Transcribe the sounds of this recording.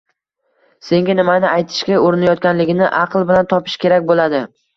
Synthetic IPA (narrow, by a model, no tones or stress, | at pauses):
se̞ŋɡʲanɪmanɪʔajt̪ʰɪ̥ʃkʲaoɾɪnajɒt̪̚kʲanlɪɡʲɪnɪ̰ʔɑqlˠbɪlant̪ʰɒpʰɪ̥ʃkʲe̞ɾakʲbolad̪ɪ